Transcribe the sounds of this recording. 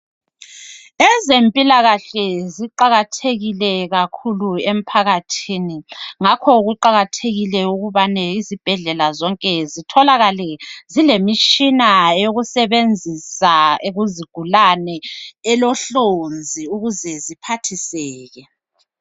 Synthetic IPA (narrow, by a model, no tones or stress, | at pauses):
ɛzempʼilaɣaɬɛziǃaɣatʰeɣilɛɣakʰuluem̩pʰaɣatʰiniŋakʰɔɣuǃaɣatʰeɣilɛuɣuβanɛizib̥ʱɛɮɛlazɔŋkʼɛzitʰɔlaɣalɛzilemit͡ʃinajoɣusɛβend͡zʱisaeɣuziɡ̥ʱulanɛːlɔɬond͡zʱiuɣuzɛzipʰatʰisɛːɣɛ